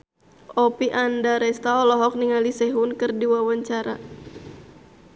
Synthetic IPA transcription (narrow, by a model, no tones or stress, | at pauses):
ɔpiʔandaɾɛst̪aɔlɔɦɔk̚niŋalisɛɦʊnkɨrdiwawaɲt͡ʃaɾa